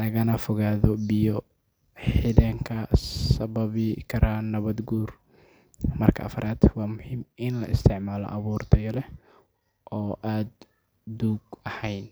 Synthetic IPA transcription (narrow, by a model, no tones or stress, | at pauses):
nɐɣɐnɐfɔɣaːðɔbɪjɔ | ħiðɐŋkʰɐsɐβɐβɪkʰɐɾʔanɐβɐd̪ɡuːr | mɐrkʰɐʔɐ̰fɐɾʔaːd̪wɑːmʊhiːmɪnlɐ̰ɪst̪ʰɪʕmaːlɔ̰ʔɐβuːrt̪ʰɐjɐlɛ | ʔɔːʔaːd̪ː | uːɡɐhɛjn